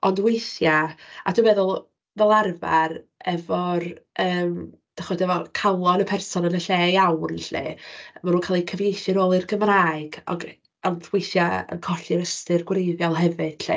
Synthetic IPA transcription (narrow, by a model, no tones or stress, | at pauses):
ɔndwejθjaaduːvɛðʊlˠ | vɛlˠarva̰r | ɛvɔrəːm | d̥aχɔdɛvɔkʰalˠɔnəpʰɛrsɔnənəɬeːjawnɬḛmanuːkʰaːlˠikʰəvjejʃɪɾoːlˠɪrɡəmraːɨɡɔ̰ɡ | ɔndwejθjaə̰nkʰɔɬɪɾəstɪrɡwrejðjɔlˠɦɛvɨd̥ɬḛ